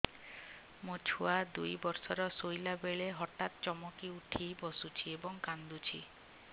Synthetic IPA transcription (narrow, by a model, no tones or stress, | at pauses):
mot͡ʃʰuad̪ujbɔɾsɔɾɔsojlabeɭeɦɔʈat̪t͡ʃɔmokiuʈʰibɔsut͡ʃʰiebɔŋkand̪ut͡ʃʰḭ